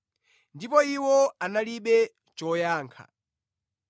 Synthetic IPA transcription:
ndipɔiwɔanaliɓɛ | t͡ʃɔːjaːŋkʰa̰

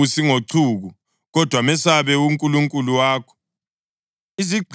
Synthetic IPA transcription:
usiŋoǀʰuːɣu | ɣɔd̥ʱwamɛsaβɛuŋkʼuluŋkʼuluwaːkʰɔ̥ | iziǃʱ

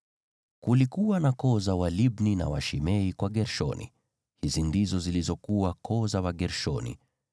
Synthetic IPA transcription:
kulikuwanakɔzawaliɓnina̰wa̰ʃimɛikwaɠɛɾʃɔ̰nḭ | hizindizɔzilizɔkuwakʰɔzawaɠɛɾʃɔnḭ

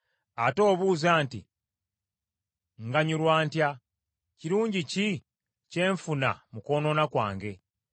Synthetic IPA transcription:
ato̞ːβuːzaːntḭ | ŋɡaɲuɾwaːntja | ciɾuːɲɟici | ce̞ːɱfuna̰muko̞ːno̞nakwa̰ːŋɡe̞

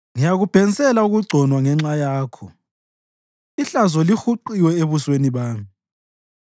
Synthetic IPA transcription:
ŋijaɣub̥ʱɛn̩sʼɛlauɣuɡ͡ǀʱɔnwaŋɛŋ͡ǁajaːkʰɔ | iɬazɔlixuǃiwɛeβusweniβaːmi

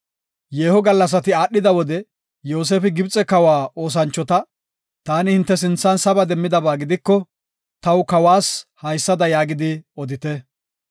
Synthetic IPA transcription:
jeːhɔɡɐlːɐs̬ɐt̪ɪaːɗːɪd̪ɐwɔd̪ɛ | jo̞ːs̬eːfɪɡɪbt͡sʼɛkɐwaːo̞ːs̬ɐnt͡ʃːɔt̪ɐ | t̪aːnɪhɪnt̪ːɛs̬ɪnt͡sːɐnsɐbɐd̪ɛmːɪd̪ɐbaːɡɪd̪ɪkːɔ | t̪ɐwkɐwaːshɐjsːɐd̪ɐjaːɡɪd̪ɪɔd̪ɪt̪ɛ

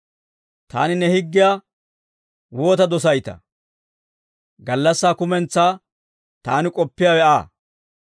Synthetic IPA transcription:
t̪a̰ːnɪnɛhɪɡːɪjaː | woːt̪ɐd̪ɔs̬ɐjt̪ɐ̰ | ɡɐlːɐsːaːkʊmɛnt͡sːaː | t̪aːnɪkʼɔpːɪjaːwɛa̰ː

